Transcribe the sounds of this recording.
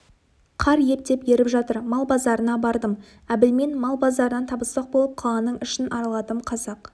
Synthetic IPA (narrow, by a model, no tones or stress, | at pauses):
qʰɑɾjep̚d̪e̞pje̞ɾɪpʒɑt̪əɾmɑlˠbɑzɑɾənɑbɑɾd̪əm | æbɪlme̞nmɑlˠbɑzd̪ɑɾənɑnt̪ʰɑbəsɑq̚bo̞lˠəp̚qʰɑlˠɑnəɴʏʃɪnʔɑɾɑlˠɑt̪əmqʰɑzɑq